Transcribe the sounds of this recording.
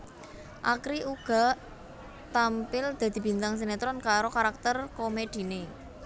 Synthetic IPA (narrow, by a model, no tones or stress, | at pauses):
ʔakɾiʔuɡ̥a̤ | t̪ampɪld̪̥ä̤d̪̥i̤b̥i̤nt̪aŋs̬enet̪ɾɔnkaɾokaɾak̚t̪ərkomed̪̥i̤ne